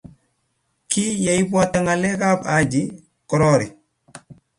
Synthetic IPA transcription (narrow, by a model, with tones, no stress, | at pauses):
ki˦ja˨i˦bu˦a˦ta˦ŋa˨lɛ˦ka˦ba˨d͡ʒi˦ | kɔ˨ɾɔ˦ɾi˨